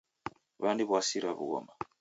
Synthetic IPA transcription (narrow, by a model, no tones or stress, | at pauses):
βandiβwasiɾaβṵɣɔ̰ma